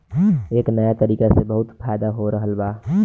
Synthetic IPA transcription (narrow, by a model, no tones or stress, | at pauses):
eːknəjat̪əɾiːkesebəɦʊt̪pʰaːjd̪aɦoɾəɦəlbaː